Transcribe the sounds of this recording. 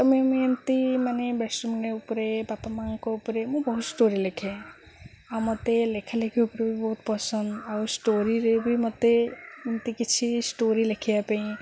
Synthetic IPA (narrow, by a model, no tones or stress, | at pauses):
t̪ɔmemɪnt̪imanebesʈumɡeupɾebapamaŋkoupɾemũbɔɦut̪sʈoɾilekʰẽ | awmɔt̪elekʰalekʰeupɾebʱibɔɦut̪pəsəndawsʈoɾiɾebʱimɔt̪eɪnt̪ikɪt͡ʃʰisʈoɾilekʰijapeĩ